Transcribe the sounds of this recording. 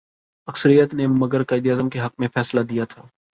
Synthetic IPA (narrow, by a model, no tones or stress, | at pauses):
ɐksəɾijət̪nemɐɡəɾqɐɪd̪ijaːzəmkeɦɐqmẽfɛːslad̪ijat̪ʰaː